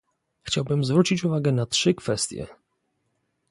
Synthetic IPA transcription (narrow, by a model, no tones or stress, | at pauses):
xt͡ɕawbɘmzvɾut͡ɕit͡ɕuvaɡɛnatʂɘkfɛst̪ʲjɛ̰